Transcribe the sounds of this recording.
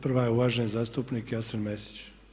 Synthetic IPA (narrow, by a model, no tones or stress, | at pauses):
pr̩ʋajeuʋaːʒenzaːst̪upnikjasenmesi̥t͡ʃ